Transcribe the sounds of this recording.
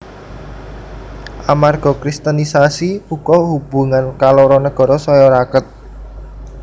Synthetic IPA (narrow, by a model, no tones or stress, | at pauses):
ʔamarɡ̥ɔ̤kɾist̪anisasiukɔhub̥ṳŋankalɔɾɔnəɡ̥ɔ̤ɾɔsɔjɔɾakət̪̚